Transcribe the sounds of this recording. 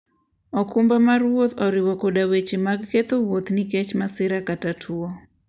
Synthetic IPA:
ɔkumbamarwot̪ɔɾɪwokodawet͡ʃemaɡket̪owot̪nikɛt͡ʃmasɪɾakatatʰuo

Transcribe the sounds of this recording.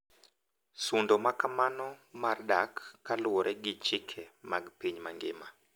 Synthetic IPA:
sundɔmakamanɔmarɗakːalwɔɾʔɛɡɪt͡ʃɪkʰɛmaɡpiɲmaŋɡɪma

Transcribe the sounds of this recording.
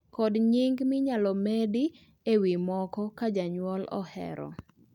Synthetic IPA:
kɔdɲɪŋɡmɪɲalɔmedi | ewimɔkɔkad͡ʒaɲwɔlɔ̰hɛ̰ɾɔ̰

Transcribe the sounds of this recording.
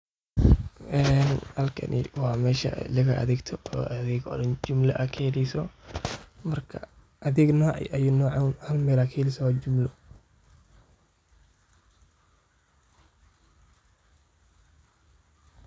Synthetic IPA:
ʔɛnhɐlkʰɐ̰nʔɪ̰wɑːmɛːʃɐ̰lɐɣɐʔɐ̰ðɪɡt̪ʰɔɔːɐðɪɡɔ̰ɽɐnd͡ʒʊmlɐʔɐkʰɛɛlɛsɔ | mɐrkʰɐ̰ | ʔɐðɪɡnɔːʕɪ̰ʔɐjʊnɔːʕanhɐlmɛːlakʰɛhːlɪsɐwaːd͡ʒʊmlʊ

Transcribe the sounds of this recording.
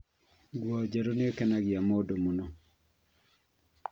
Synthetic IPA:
ɡwɔd͡ʒaɾonɪɔkɛnaɡɪamodomonɔ

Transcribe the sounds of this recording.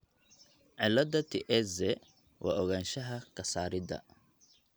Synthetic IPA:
ʕɪlɐd̪ɐt̪ʰiʔɛsɛ | wʔɑ̰ːʔɔɣaːnʃɐɦɐkʰɐsaːɾɪdɐ̰

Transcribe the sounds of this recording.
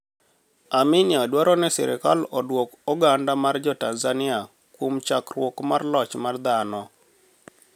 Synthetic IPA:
amɪnɪadwaɾɔnɛsɛ̰ɾɛ̰kalɔdwɔkɔɡandamard͡ʒɔtanzanɪa | kwomt͡ʃakrwokmarlɔt͡ʃmard̪anɔ

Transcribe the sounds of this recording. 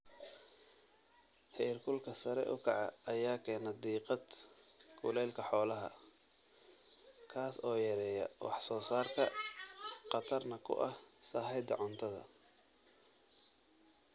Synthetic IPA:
hɛrkʰʊlkʰɐsɐɾɛ̰ʔʊ̰kʰɑʕɑːjaːkʰɛːnɐd̪iːqɑd̪kʰʊ̰lɛːlkʰɐħɔːlɐɦɐ̰ | kʰaːsɔːjɛɾɛːjɐwɑ̰ħsɔːsaːrkʰɐ | qɑt̪ʰɐrnɐkʰʊ̰ʔɐhsaːħɛjd̪ɐʕʊnt̪ʰɐðɐ̰

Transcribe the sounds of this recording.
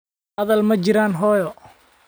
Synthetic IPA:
hɐðɐlmɐt͡ʃɪɾaːnɦɔːjɔ

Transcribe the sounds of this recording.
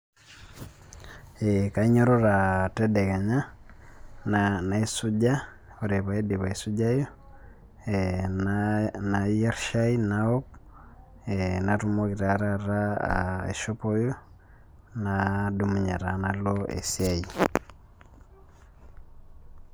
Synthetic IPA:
ekaiɲoɾoɾatedɛɣaɲa | nanaisuɟa | oɾeβaediβaisuɟajo | nnajaɾʃainaop | enaɾumoɣiɾaɾaɾa̰ḛʃopojo | nadumuɲaɾanaloḛsjaji

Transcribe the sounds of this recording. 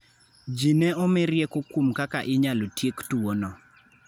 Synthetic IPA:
d͡ʒinɛɔmɪɾjɛkokumkakaʔɪɲalotjektuonɔ

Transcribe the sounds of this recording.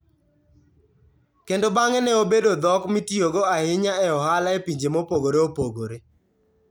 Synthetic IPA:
kendobaŋɛnɛobedod̪ɔkmitijoɡoahɪɲaɛɔhalaepiɲd͡ʒemopoɡoɾeopoɡoɾe

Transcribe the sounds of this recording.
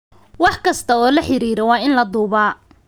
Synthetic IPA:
wɑħkʰɐst̪ʰɐɔːlɐħɪɾiːɾɐwɑːɪnlɐd̪uːβaː

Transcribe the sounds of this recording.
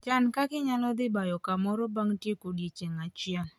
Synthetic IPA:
t͡ʃankakɪɲalɔd̪ɪbajɔkamɔɾɔbaŋtjekodjet͡ʃeŋat͡ʃɪaŋ

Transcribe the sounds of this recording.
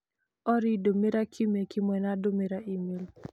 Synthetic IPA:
ɔɾidomeɾakʰimekɪmwɛnadomeɾaʔimel

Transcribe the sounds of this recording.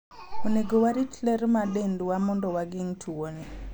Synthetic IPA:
oneɡowaɾitlɛɾmadendwamɔndɔwaɡɪŋtʰuoni

